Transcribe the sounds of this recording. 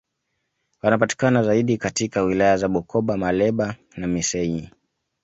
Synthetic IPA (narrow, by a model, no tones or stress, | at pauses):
wanapati̥kanazaiɗikatikawilajazaɓɔkʰɔɓamalɛɓa | namisɛi